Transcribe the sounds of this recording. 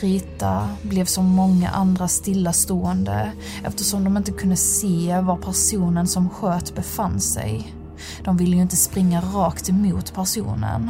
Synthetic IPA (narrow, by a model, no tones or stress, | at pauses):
ɾiːt̪ablɛvsɔmːɔŋːa̰ʔand̪ɾast̪ɪlːast̪oːɛnd̪ə̰ | ɛ̰ft̪əʂɔmd̪ɔmɪnt̪əkʰɵnd̪əseːvaɾpʰæɾʂuːnənsɔmɧøːt̪bɛfanːsɛ̰j | d̪̥ɔmvɪlːəjɵɪnt̪əspɾɪŋːaɾɑːkt̪ɛmuːt̪pʰæɾʂṵːnə̰n